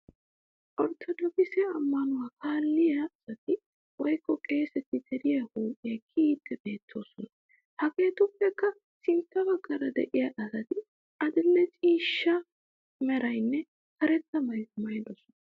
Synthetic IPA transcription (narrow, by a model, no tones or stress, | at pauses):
ʔɔɾt̪ʰɔd̪ɔkɪsɛɐmːɐnʊwaːkaːlːɪjɐɐsɐt̪ɪ | wɔjkːɔkʼe̞ːsɛt̪ːɪt̪ɛɾɪjɐhuːʔʼɪjɐkʰiːt̪ːɛbe̞ːt̪ʰːo̞ːsɔnɐ | hɐɡe̞ːt̪ʊpːɛkːɐ | sɪnt̪ːɐbɐɡːɐɾɐd̪ɛʔɪjɐʔɐsɐt̪ɪ | ɐd̪ɪlːɛt͡ʃʼiːʃːɐ | mɛɾɐjnːɛ | kɐɾɛt̪ːɐmɐjmɐjd̪ɔsɔn